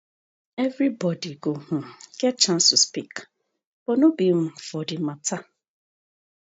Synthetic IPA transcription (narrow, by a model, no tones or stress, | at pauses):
ɛvɾibɔdiɡoh̩ɡ̥ɛt̚t͡ʃãnstuspik | b̥ɔnobim̩fɔdɪmatʰa